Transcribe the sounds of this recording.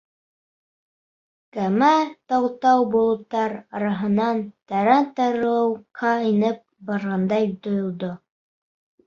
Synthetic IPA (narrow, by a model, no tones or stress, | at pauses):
kæmæt̪ɑwt̪ɑwbulˠŭt̪ːɑɾɑɾɑɦɤ̆nɑnt̪æɾæt̪ɑɾɤwqʰɑinɘp̚bɑɾʁɑnd̪ɑjt̪ŏjŏlˠd̪o